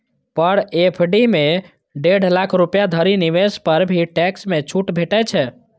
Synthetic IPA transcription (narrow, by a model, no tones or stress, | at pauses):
pəɽepʰɖimẽ | ɖeɖ̤ʱlakʰɾupjad̪ʱəɾiniʋespəɾbʱiʈɛksmet͡ʃʰuʈbʱeʈɛt͡ʃʰɛ